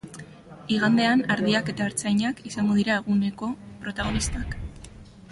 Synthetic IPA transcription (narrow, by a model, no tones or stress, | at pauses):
iɣ̞and̪e̞anaɾðiake̞t̪aeɾt͡sajɲakisaŋɡo̞ðiɾae̞ɣune̞ko̞pɾo̞t̪aɣ̞o̞nist̪ak